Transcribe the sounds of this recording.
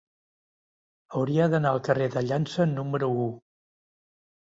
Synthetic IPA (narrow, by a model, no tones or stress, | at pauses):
əwɾiəðənaəlˠkəreðəʎansənːuməɾuu